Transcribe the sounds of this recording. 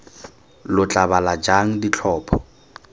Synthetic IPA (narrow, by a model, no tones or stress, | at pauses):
lʊt͡ɬʼabalad͡ʒaŋ̩dit͡ɬʰɔːpʰɔ